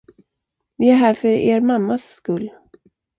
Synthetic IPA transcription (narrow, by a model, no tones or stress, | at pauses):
vɪæɾɦæːɾfœɾḛːɾmamːasːkɵlː